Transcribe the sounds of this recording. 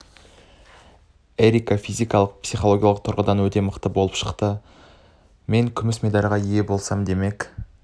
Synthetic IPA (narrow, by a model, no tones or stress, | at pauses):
eɾʲijkafijzijkɑlˠəq̚psijχo̞lˠo̞ɡʲjalˠəq̚t̪ʰʊɾʁəd̪ɑnwɵt̪e̞məqt̪əbo̞lˠəpʃəqt̪ə | me̞ŋkʲʰʏmɪsmed̪ɑɾʲʁɑije̞bolˠsɑmd̪e̞me̞k